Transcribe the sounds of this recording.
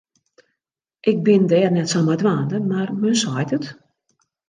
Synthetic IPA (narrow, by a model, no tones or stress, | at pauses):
ʔɪk̚bɪndɛːrnɛtsamadʋaːndəmarmənsajtət